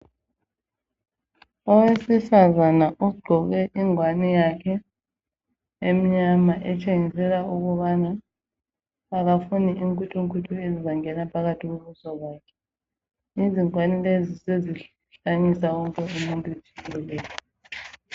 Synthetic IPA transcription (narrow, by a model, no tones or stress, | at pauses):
ɔwesifazanaʔuɡ͡ǃʱɔɣɛʔiŋwanijakʰɛ | em̩ɲamaʔɛt͡ʃʰʼeŋisɛlauɣuβana | aβafuniʔiŋkʼutʰuŋkʼutʰuezizaŋɛnapʰaɣatʰiɣuβusɔɣaːkʰɛ̥ | iziŋwanilezisezi | ɬaɲisawɔŋkʼɛumuntʼut͡ʃʰʼiɣɛlɛɔ